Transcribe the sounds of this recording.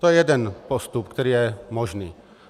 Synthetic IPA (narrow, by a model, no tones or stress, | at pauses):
t̪ɔjɛjɛd̪ɛnpɔst̪up̚kt̪ɔɾiːjɛmɔʒnḭː